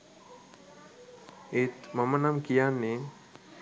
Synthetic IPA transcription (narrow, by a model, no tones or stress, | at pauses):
et̪mamənamkijanːe